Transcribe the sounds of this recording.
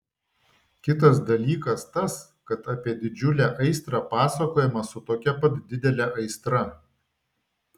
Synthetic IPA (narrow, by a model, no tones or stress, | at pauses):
kʲɪt̪̬ɐsd̪ɐlʲiːkɐst̪ɐs | kɐt̪ɐpʲiɛd̪ʲɪd͡ʒʲʊlʲæːʔɐɪst̪ɾɑːpɑːsɐkoːjɪmɐsʊt̪oːkʲɛpɐt̪d̪ʲɪd̪ʲɛlʲɛʔɐɪst̪ɾɐ